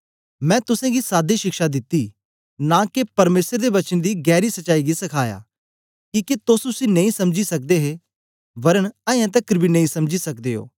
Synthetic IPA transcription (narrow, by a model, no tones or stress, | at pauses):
mɛ̃ːt̪ʊsɛ̃ɡisaːd̪iʃɪkʃad̪ɪt̪ːiː | nakepɐɾmeːsəɾd̪eʋɐt͡ʃənd̪iɡɛːɾisɐʃaːiɡisɐkʰaːja̰ː | kiːket̪oːsʊsinẽĩsɐmd͡ʒisɐk̚d̪eɦe | ʋɐɾənɐɛ̃t̪̬ɐkɾbʱinɐ̃ĩsɐmd͡ʒisɐkd̪eːɦo̰ː